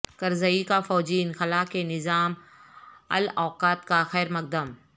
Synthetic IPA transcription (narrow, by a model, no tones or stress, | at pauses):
kɐɾzəikafɔːd͡ʒiːnxɐlaːkenɪzaːm | ɐ̰lɔːqaːt̪kaxɛːɾmɐk̚d̪əm